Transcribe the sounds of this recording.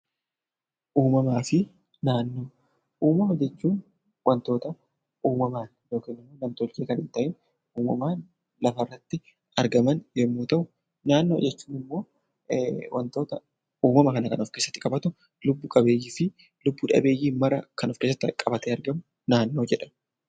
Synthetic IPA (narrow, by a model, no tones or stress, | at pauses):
ʔuːmɐmaːfɪ | naːnːo̞ː | ʔuːmɐmɐd͡ʒɛt͡ʃːuːn | wʔɐnt̪o̞ːt̪ɐ | uːmɐmaːn | jo̞ːkiːnɪmːoːnɐmt̪ɔlt͡ʃeːkɐnɪnt̪ɐʔɪn | uːmɐmaː | lɐfɐrːɐt̪ːɪ | ɐɾɡɐmɐnjɛmːuːt̪ɐʔʊ | naːnːoːd͡ʒɛt͡ʃːuːnɪmːo̞ː | wʔɐ̰nt̪o̞ːt̪ɐ | uːmɐmɐkɐnɐkɐnɔfke̞ːsːɐ̥t̪ːɪkʼɐbɐt̪ʊ | lʊbːʊkʼɐbe̞ːjːɪfɪ | lʊbːʊᶑɐ̰be̞ːjːiːmɐɾɐkɐnɔfkeːsːɐt̪ːɪkʼɐbɐt̪eːɐɾɡɐmʊ | naːnːo̞ːd͡ʒɛᶑɐm